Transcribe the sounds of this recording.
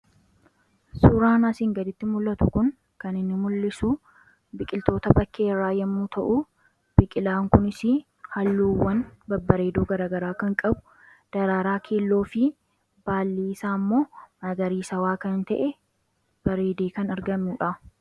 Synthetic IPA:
suɾaːnɐsɪŋɡɐd̪ɪt̪ːɪmʊlːɐt̪ʊkʊŋ | kɐnɪnːɪmʊlːɪsu | bɪkʼɪlt̪o̞ːt̪ɐbɐkːeːrːaːjɐmːuːt̪ɐʔʊ | b̥ɪkʼɪlaːŋkʊnɪsɪ | hɐlːuːwːɐnbɐbːɐɾeːd̪oːɡɐɾaːɡɐɾaːkɐŋkʼɐbʊ̥ | d̪̥ɐɾaːɾaːkʰeːlːo̞ːfɪ | b̥aːlːiːsaːmːo̞ːmɐɡɐɾiːsɐwaːkɐnnt̪ɐʔɛ | b̥ɐɾe̞ːd̪eːkɐnɐɾɡɐmːuːᶑɐ

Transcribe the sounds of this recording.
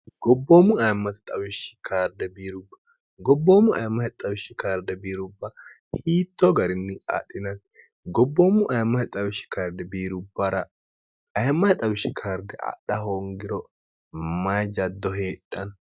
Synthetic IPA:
ɡ̥ɔbːoːmːʊɐjmːɐt̪ɐ̥t̪ʼɐwɪʃɪ̥kʰaːɾd̪ɛbiːɾʊbːɐ̥ | ɡɔbːoːmʊɐ̰jmːɐɛt̪ʼɐwɪʃɪkaːɾd̪ɛbiːɾʊbːɐ | hiːt̪ːɔɡɐɾɪnːɪɐ̰ɗɪnɐn | ɡɔbːoːmːʊʔɐjmːɐt̪ɪt̪ʼɐwɪʃːɪ̥kaːɾd̪ɛbiːɾʊbːɐɾɐ | ɐjmːɐt̪ʼɐwɪʃːɪkʰaːɾd̪ɛʔɐ̰ɗɐhoŋɡɪɾɔ | mɐjd͡ʒɐd̪ːɔɦeːᶑʼːɐn

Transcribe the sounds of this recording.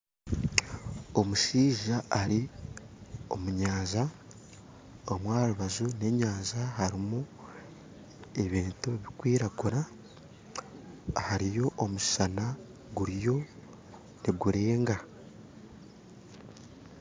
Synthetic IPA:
o̞muʃiːʒaaɾi | o̞̰muɲaːza | omwaːɾuβazune̞ːɲaːzaɦaɾimu | e̞βiːntuβikwiːɾakuɾa | haɾijo̞ʔomuʃi̥ʃana | ɡuɾijo̞ | niɡuɾe̞ːŋɡa

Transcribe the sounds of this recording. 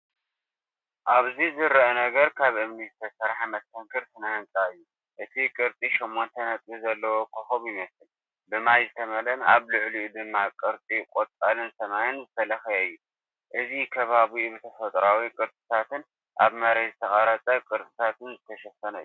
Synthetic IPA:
ʔaβzizɨɾɐnɐɡɐɾkʰaβɨmnist̪ʰɐɾsɐɾħamɐst̪ʰɐŋkʰɨɾt̪ʰɨnant͡sʼaɨjːu | ʔɨt̪ʰikʼɨɾt̪ʼiʃomːont̪ʰɐnɐt̪ʼizɐlːɐwokʰoxoβjɪmɐsɨl | bɨmajzɨt̪ʰɐmɐlɐnaβlʊʕliʔud̪ɨmːakʼɨɾt͡s̪ʼikʼot̪ʼalɨnsɐmajɨnzɨt̪ʰɐlɐxjɐɨjːu | ʔɨzikʰɐβaβiubɨt̪ʰɐfɐt̪ʼɾawikʼɨɾt̪ʼɨ̥t̪ʰat̪ɨn | ʔa̰βmɐɾezɨt̪ʰɐxʼɐɾɐt͡sʼɐkʼɨɾt̪ʼɨt̪ʰat̪ʰɨnzɨt̪ʰɐʃɐfɐnɐɨjːu

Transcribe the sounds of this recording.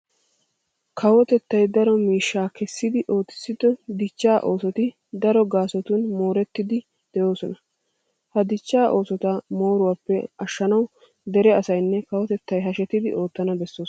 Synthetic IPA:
kʰɐwɔt̪ɛt̪ːɐjd̪ɐɾɔmiːʃːaːkɛsːɪd̪ɪʔo̞ːt̪ːɪ̥sːɪd̪ɔd̪ɪt͡ʃːaːʔo̞ːsɔt̪ɪ | d̪ɐɾɔɡaːsɔt̪unmo̞ːɾɛt̪ːɪd̪ɪ | d̪̥ɛjo̞ːsɔnɐ | hɐd̪ɪt͡ʃːaːʔo̞ːsɔt̪amo̞ːɾʊwaːpːɛɐʃːɐnɐw | d̪ɛɾɛɐsɐjnːɛkɐwɔt̪ɛt̪ːɐjɦɐʃɛt̪ɪd̪ɪʔo̞ːt̪ːɐnɐbɛsːoːs

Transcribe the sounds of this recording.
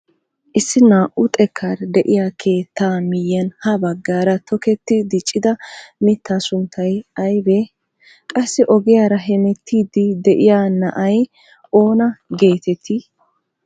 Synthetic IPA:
ʔɪsːɪnaːʔʊt̪ʼɛkʰːaɾd̪ɛʔɪjaːkʰe̞ːt̪ːaːmɪjɐnhɐbɐɡːaːɾɐt̪ʰɔkɛt̪ːɪd̪ɪt͡ʃʼːɪd̪ɐmɪt̪ʰːaːsʊnt̪ʰːɐjɐjbe | kʼɐsːɪʔɔɡɪjaːɾɐɦɛmɛt̪ʰːiːd̪ɪd̪ɛʔɪjaːnɐʔɐj | ʔo̞ːnɐɡe̞ːt̪ɛt̪ʰːi

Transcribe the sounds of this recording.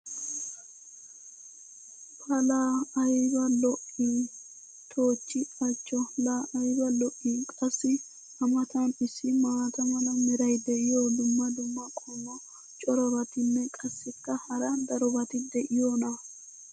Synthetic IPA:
pʰɐlaːɐjbɐlɔʔi | t̪ʰoːt͡ʃːɪɐt͡ʃʼːɔlaːʔɐjbɐlɔʔːikʼɐsːɪ | ɐmɐt̪ɐnɪsːɪmaːt̪ɐmɐlɐmɛɾɐjd̪ɛʔɪjɔd̪ʊmːɐd̪ʊmːɐkʼɔmːɔ | t͡ʃʼɔɾɔbɐt̪ɪnːɛkʼɐsːɪkːɐhɐɾɐd̪ɐɾɔbɐt̪ɪd̪ɛʔɪjɔnɐ

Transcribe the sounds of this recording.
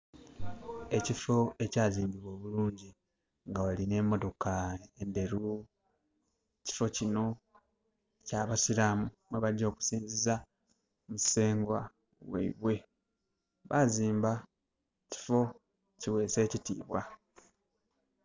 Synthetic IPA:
e̞cifo̞e̞caːziːmbiβo̞ːβuluːɲɟi | ŋɡawaline̞mo̞to̞kae̞nde̞ɾu | ci̥fo̞cino̞ | caːβasiɾamumeβaɟo̞ːku̥siːnziza | muse̞ːŋɡwa | wḛḭβwe̞ | βaziːmba | ci̥fo̞ | ciwe̞ːse̞ːcitḭːβwa

